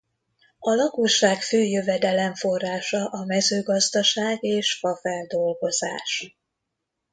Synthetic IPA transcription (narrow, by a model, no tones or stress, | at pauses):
ɒlɒkoʃaːkføːjøvɛd̪ɛlɛɱfo̞rːaːʃɒʔɒmɛzøːɡɒzd̪ɒʃaːɡeːʃfɒfɛnd̪o̞lɡo̞za̰ːʃ